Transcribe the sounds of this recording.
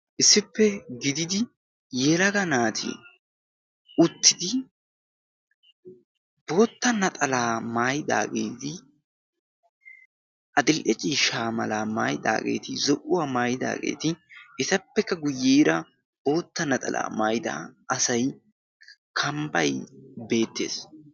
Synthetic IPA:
ʔɪsːɪpːɛɡɪd̪ɪd̪ɪ | jɛlɐɡɐnaːt̪ʰɪ̰ | ʔʊt̪ːɪd̪ɪ | b̥o̞ːt̪ːɐnɐt̪ʼɐlaːmaːjɪd̪a̰ːɡe̞ːt̪ɪ | ʔɐd̪ɪlʔɛt͡ʃʼiːʃaːmɐ̰laːmaːjd̪a̰ːɡe̞̰ːt̪ɪzɔʔʊwaːmaːjɪd̪a̰ːɡḛːt̪ɪʔɪt̪ɐpːɛkːɐɡʊjːiːɾɐ | b̥o̞ːt̪ːɐnɐt̪ʼɐ̰lʔa̰ːmaːjɪd̪a̰ɐsɐj | kʰɐmbɐjbe̞ːt̪ːe̞̰ːs

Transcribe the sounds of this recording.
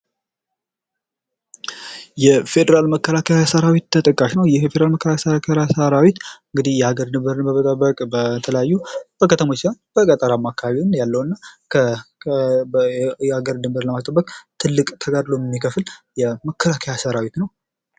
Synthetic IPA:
jɛfe̞d̪əɾalməkːəlakʰajasəɾawit̪ʰːət̪ʼəkʼːaʃnəwjɛfefed̪ɾalməkːəlakasəɾakʰaasəɾawit̪ɨŋɡɨd̪ihjɛhaɡəɾd̪ɨmbəɾɨnbəmət̪ʼəbːəkʼbət̪ʰələjajːub̥əkʰət̪ʰəmo̞t͡ʃːlanb̥əkʼət̪ʼəɾamːakʰːaβaβinjalːəwɨnːakʰə | haɡəɾd̪ɨmbəɾləmast̪ʼəbːəkʼt̪ʰɨlːɨkʼt̪ʰəɡad̪lomɛmːikʰəfɨljɛməkʰːəlakʰəjasəɾawit̪nəw

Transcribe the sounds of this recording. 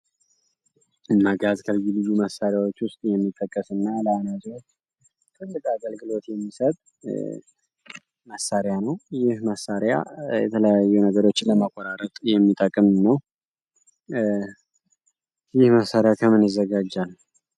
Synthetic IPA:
ɨnːaɡat̪kʰəljulɨzuməsːaɾjawo̞t͡ʃːwʊst̪ʼjɛmːit̪ʼːəkʼːəsɨnːaləanazt͡ʃː | t̪ʰɨlːɨkʼaɡəlɡɨlo̞t̪jɛmːisət̪ʼ | məsːaɾjanəwjɪhməsːaɾja̰jɛ̰t̪ʰələjajːunəɡəɾo̞t͡ʃːɪnləməkʼːɔɾaɾət̪ʼjɛmːit̪ʼəkʼːɨmɨnːəw | jɪhməsːaɾjat̪ʰəmɨnjɪzːəɡad͡ʒːal

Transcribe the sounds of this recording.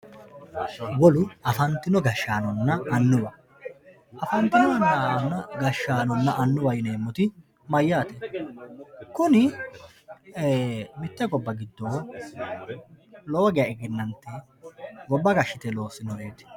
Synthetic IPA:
wɔlʊɐfɐnt̪ːɪnɔɡɐʃːaːnɔnːɐɐnːʊwɐ | ʔɐfɐnt̪ɪnɔɐnːanːɐɡɐʃːaːnɔnːɐʔɐnːʊwɐjneːmːɔt̪ɪ | mɐjːaːt̪ɛ | kʊnɪ | mɪt̪ːɛɡɔbːɐɡɪd̪ːoː | loːɡɪjɐɪɡɪnːɐnt̪ːɛ | ɡɔbːɐɡɐʃːɪt̪ɛlo̞ːsɪnɔeːt̪ɪ̥

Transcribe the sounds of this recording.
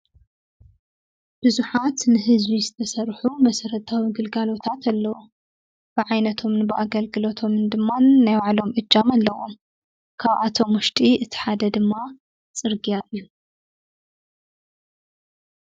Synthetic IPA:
b̥ɨzuħat̪nɨɦɨzbizɨt̪ʰɐsɐrħumɐsɐɾɐt̪ʰʼawiɡɨlɡalo̞t̪ʰat̪ʰalːɐwu | b̥ɨʕajnɐt̪ʰo̞mnɨbɨʔaɡɐlɡɨlo̞t̪ʰo̞mnd̪ɨmːanajwaʕlo̞mʔɨd͡ʒːamalːɐwom | kʰaβʔat̪ʰo̞mwʊʃt̪ʼiʔɨt̪ʰi̥ħad̪ɐd̪ɨmːa | t͡sʼɨɾɡijaʔɨjːu

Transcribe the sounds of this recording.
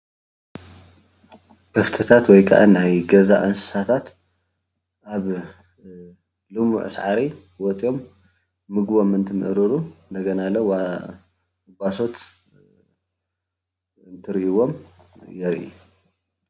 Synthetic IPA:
kʰɐft̪ʰɨt̪ʰat̪wɔjkʰa̰ʔa̰najɡɐza̰ʔɐnsɨ̥sat̪ʰat̪ | ʔaβ | lɨmṵʕ̰sʕaɾi | wɔt͡sʼjo̞mː | ɨɡbo̞mɨnt̪ʰɨmɨ̰ʔɾɨɾund̪ɐɡɐnalowa | ɨbaso̞t̪ | ɨnt̪ʰɨɾiʔiwo̞mjɛɾʔḭ

